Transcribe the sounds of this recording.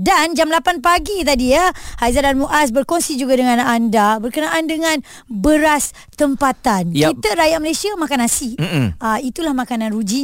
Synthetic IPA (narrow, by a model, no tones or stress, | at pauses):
dand͡ʒamlapanpaɡit̪̬adiəhajzadanmuʔas̬bərkonsid͡ʒuɡadəŋãnandabərkənaʔandəŋãn | bəɾas | t̪əmpat̪ankit̪əɾajaʔməlesiamakanasiait̪ulahmãkanãnrud͡ʒi